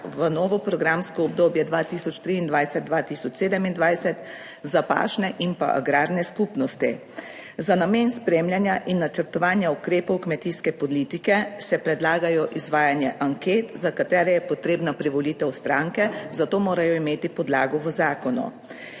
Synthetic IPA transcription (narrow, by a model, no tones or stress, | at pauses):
ʋənɔːʋɔpɾɔɡɾaːmskɔɔb̚d̪oːbjɛd̪ʋaːt̪iːsɔt͡ʃt̪ɾiːnd̪ʋajsɛt̪̚d̪ʋaːt̪isɔt͡ʃseːd̪ɛmind̪ʋajsɛt̪ | zapa̰ːt͡ʃnɛʔimpa̰ʔa̰ɡɾaːɾnɛskupnɔst̪i | zanameːnspɾeːmlʲjanjaʔinːat͡ʃəɾt̪ɔʋaːnjaukɾeːpɔwkmɛt̪iːskɛpɔliːt̪ikɛsɛpɾɛd̪laːɡajɔʔizʋaːjanjɛʔaŋkeːt̪zakat̪ɛːɾɛjɛpɔt̪ɾeːbnapɾiʋɔliːt̪ɛwst̪ɾaŋkɛzat̪oːmoːɾajɔimeːt̪ipɔd̪laːɡɔʋəzaːkɔnṵ